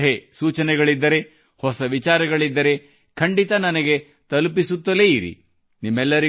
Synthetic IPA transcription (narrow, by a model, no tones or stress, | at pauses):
ɦesuːt͡ʃɐnɛɡɐɭid̪ːɐɾe̞ | hɔsɐʋit͡ʃaːɾɐɡɐɭid̪ːɐɾe̞ | kʰɐɳɖit̪ɐnɐnɐɡe̞ | t̪ɐlp̬isut̪ːɐle̞iɾḭ | nimːɛlːɐɾi